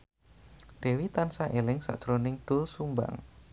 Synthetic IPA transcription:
d̥e̤wit̪ansaʔelɪŋsa̰ʔd̥ʒ̥ɾonɪŋɖ̪̥ʊlsumba̰ŋ

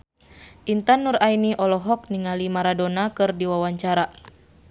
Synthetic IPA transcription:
ʔint̪anːuɾainiʔɔlɔɦɔk̚niŋalimaɾadɔnakɨrdiwawaɲt͡ʃaɾa

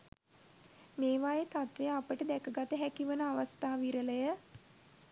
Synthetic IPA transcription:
meːʋajet̪at̪ʋejapəʈəd̪ɛkəɡat̪əɦækiʋənəaʋast̪aːʋiɾələjə

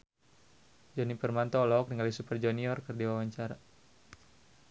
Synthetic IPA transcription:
d͡ʒɔnipərmant̪ɔlɔk̚diŋalisupərd͡ʒɔniɔrkɨrdiwawaɲt͡ʃaɾa

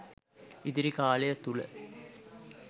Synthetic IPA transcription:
id̪iɾikaːlejət̪ulə̰

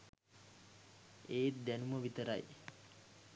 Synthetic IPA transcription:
eːt̪̚d̪ænuməʋit̪əɾa̰j

